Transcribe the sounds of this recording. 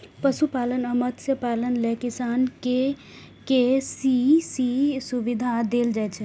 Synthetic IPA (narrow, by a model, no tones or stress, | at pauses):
pəsupalənəmət̪sjəpalənlekisanke | kesisisubid̪ʱad̪eld͡ʒajt͡ʃʰɛ